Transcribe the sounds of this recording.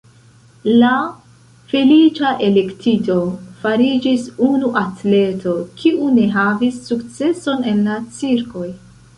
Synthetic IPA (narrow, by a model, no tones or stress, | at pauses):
la | felit͡ʃaʔe̞le̞ktito̞faɾid͡ʒisunuʔatle̞tʰo̞kʰiʔune̞ɦavisːukt͡se̞so̞ne̞nlat͡siɾko̞j